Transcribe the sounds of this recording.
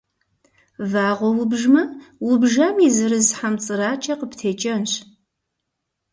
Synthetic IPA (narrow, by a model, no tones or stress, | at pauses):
vaːʁʷɔwʊbʒmɐwʊbʒɐmiːzɨɾɨzħamt͡sʼɨɾaːt͡ʃʼɐqəptʰeːt͡ʃʼɐnɕ